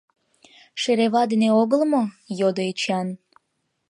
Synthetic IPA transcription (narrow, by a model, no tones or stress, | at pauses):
ʃeɾeβɑd̪eneoɣəlmo | jod̪oet͡ɕɑn